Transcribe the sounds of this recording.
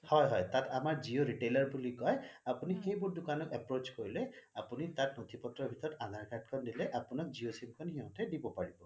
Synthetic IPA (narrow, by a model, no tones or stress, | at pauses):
hɔjɦɔjt̪atamaɹd͡ʒioɹiʈelaɹbulikɔjapunixejbuɹdʊkanɔkɛpɹot͡ʃkoɹilɛapunit̪atnot̪ʰipɔtːɔɹbʱit̪ɔɹɔtad̪ʱaɹkʰaʈ̚kʰɔndilɛʔapunɔk̚zijosimkʰɔnhiɦɔ̃tɛdibɔpaɹibɔ